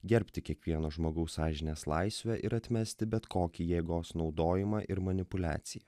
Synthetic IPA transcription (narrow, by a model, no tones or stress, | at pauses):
ɡʲɛɾʲpʲt̪ʲɪkʲiɛkʋʲiɛnoːʒmoːɡɐʊsɑːʒʲɪnʲeːslˠɐɪsʲʋʲɛʔɪɾɐt̪ʲmʲɛsʲt̪ʲɪbʲɛt̪koːkʲiːjeːɡoːsnɒʊd̪oːjɪmɑːʔɪɾmɐnʲɪpʊlʲæ̰ːt̪sʲɪjɛ